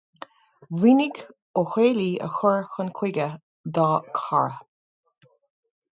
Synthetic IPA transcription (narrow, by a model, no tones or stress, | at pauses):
winɪɡ | oxeːliːə̰xʊɹxənkʰw̥ɪɡə | d̪ɑːkʰa̰ɹ